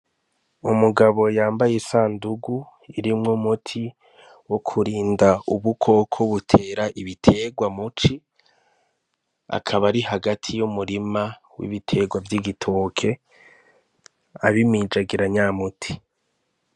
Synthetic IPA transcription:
umuɡaβo̞jaːmbajesaːnduɡu | iɾimŋumutʰi | wokʰuɾiːndauβukʰo̞kʰoβutʰe̞ːɾaʔiβitʰe̞ɡwamut͡ʃi | a̰kʰaβaɾihaɡatʰijumuɾima | wḭβitʰe̞ɡwavjiɡitʰo̞ːkʰe̞ | aβimid͡ʒaɡiɾaɲaːmutʰi̥

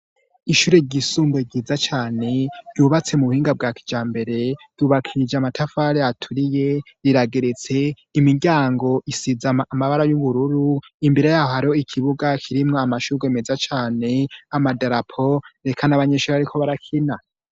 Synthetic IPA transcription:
iʃuːɾeɟisuːmboiɡiːzat͡ʃaːne̞ɾjuβat͡se̞muβuhiːŋɡab̚ɡaːki̥d͡ʒaːmbe̞ɾe̞d̥uβakʰiɾid͡ʒamatʰafaɾeatʰuɾije̞ | ɾiɾaɡe̞ɾet͡se̞ | imiɡɟaːŋɡo̞ʔisizaːmaβaɾajuβuɾuɾuimbiɾejaːhohaɾiho̞ikʰiβuɡakʰiɾimŋoamaʃuːɾɡe̞mezat͡ʃaːne̞amadaɾapʰoɾe̞kʰanaβaɲe̞ːʃuːɾeaɾikʰo̞βaɾakʰina

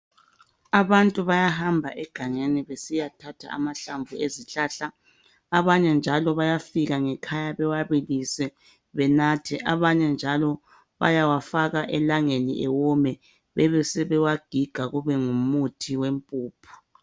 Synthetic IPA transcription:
aβantʼuβajaɦambʱaʔɛɡ̥ʱaŋeniβesijatʰatʰa̰a̰maɬaɱvʱueziɬaːɬaː | βaɲɛnd͡ʒʱalɔβajafiɣaŋɛkʰajaβɛwaβilisɛ | βɛnatʰiʔaβaɲɛnd͡ʒʱalɔ | βa̰jawafaɣaʔɛlaŋenḭʔɛwɔmɛ | βɛβɛsɛβɛwaɡ̥ʱiɡ̥ʱaɣuβɛŋumutʰiwempʼuːpʰu̥

